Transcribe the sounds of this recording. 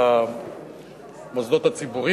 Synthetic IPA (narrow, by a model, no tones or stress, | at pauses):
mozd̪ot̪at͡sibuʁi